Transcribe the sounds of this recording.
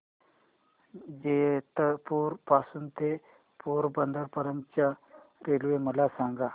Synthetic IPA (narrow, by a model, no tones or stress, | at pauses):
d͡ʑet̪əpuɾpasuːnt̪e | puɾbənd̪əɾpəɾəmt͡ɕja | ɾelʋeməlasaŋɡa